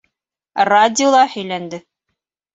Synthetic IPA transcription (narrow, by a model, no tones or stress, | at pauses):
radʲɪolˠɑhɵ̆jlænd̪ɘ